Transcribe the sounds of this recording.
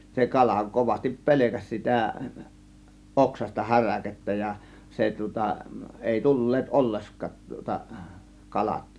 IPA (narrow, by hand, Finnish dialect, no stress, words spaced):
se kɑlɑ koʋɑstip pe̞lekæs sitæ oksɑstɑ hæræketːæ jɑ se tŭŏtɑ eˑi tulːeːt ʔolːeskɑt tŭŏtɑ kɑlɑt